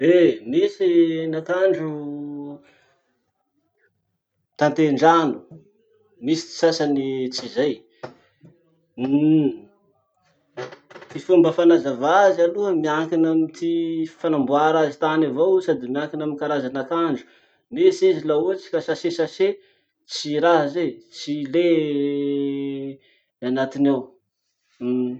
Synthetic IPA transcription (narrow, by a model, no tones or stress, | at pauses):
enesinakaɳɖ͡ʐu | t̪ant̪eɳɖ͡ʐanu̥ | misi̥t͡s̪i̥sasanit͡sizaj | t̪ifumbəfanazavazaluəmiaŋkinamit̪ifanambuaɾazit̪anavowsad̪imiaŋkinaminkaɾazanakaɳɖ͡ʐu̥ | nesezilauət͡si̥kasasesase | t͡siɾaɦəzejt͡sile | anat̪inaw̩